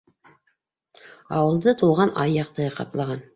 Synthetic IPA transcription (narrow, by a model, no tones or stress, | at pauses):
ɑwɤ̆lˠd̪ɤt̪ulˠʁɑnʔɑjːɑq̚t̪ɤqɑ̰plˠɑʁɑn